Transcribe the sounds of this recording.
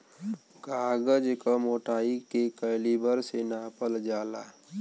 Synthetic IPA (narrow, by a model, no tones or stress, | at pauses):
ɡaːɡəd͡ʒkəmoːʈaːikekəɪlibəɾsenaːpəld͡ʒaːlaː